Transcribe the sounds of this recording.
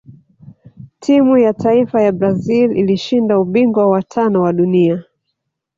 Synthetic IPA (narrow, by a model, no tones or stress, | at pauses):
tʰimujataifajabɾazililiʃindauɓiŋɡwawatʰanɔwaɗunia